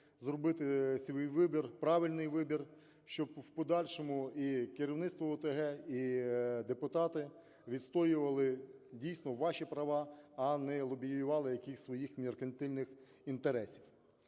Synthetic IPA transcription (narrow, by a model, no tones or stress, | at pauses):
zrɔbɪt̪ɪsʲʋʲijʋɪbʲirpɾɑʋɪlʲnɪjʋɪbʲir | ʃt͡ʃɔbwpɔd̪ɑlʲʃɔmʊikɪɾʲiwnɪt̪st̪ʋɔɔt̪eɦɛid̪epʊt̪ɑt̪ɪ | ʋʲid̪st̪ɔjʊʋɐlˠɪdʲijsnɔʋɑʃipɾɐʋɑɐnɛlˠɔbʲijjʊʋɑlˠɪjɐkixʲsʲʋɔjixmʲerkɐnʲt̪ɪlʲnɪx | int̪eɾɛsʲiw